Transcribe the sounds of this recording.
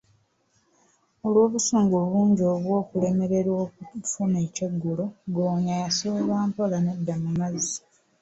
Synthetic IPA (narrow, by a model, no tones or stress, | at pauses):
olwo̞ːβusoːŋɡoβuːɲɟo̞βwo̞ːkule̞me̞ɾe̞ɾwokufune̞ːcoɡːuloɡoːɲajasoβaːmpolanedːamumazi